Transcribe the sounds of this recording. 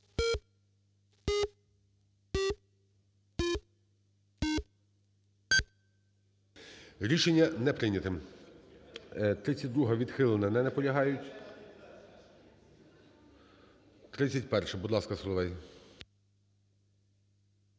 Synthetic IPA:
ɾʲiʃenʲːɐnɛpɾɪnʲɐt̪ɪm | t̪ɾɪt͡sʲːɐt̚ʲd̪ɾuɦɐʋʲid̪xɪlˠɔnɐnɛnɛpɔlʲɐɦɑjʊtʲ | t̪ɾɪt͡sʲːɐtʲpɛrʃɛbud̪lˠɑskɐsɔlˠɔʋɛj

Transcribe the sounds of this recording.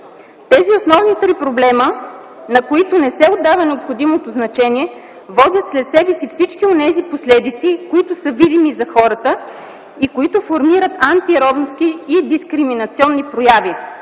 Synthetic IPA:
t̪ɛziosnɔvnit̪ɾipɾoblɛmə | nɐkoit̪ʊnɛsɛod̪ːavɐnɛopxod̪imot̪oznɐt͡ʃɛniɛ | vɔd̪ʲjət̪slɛt̪sɛbɛsifsit͡ʃkionɛziposlɛd̪it̪sikoit̪ʊsəvid̪imizɐxɔɾət̪ə | ikoit̪ʊfoɾmiɾət̪ant̪iɾɔd̪nsk̟iːd̪iskɾiminɐt̪siɔnːipɾojavi

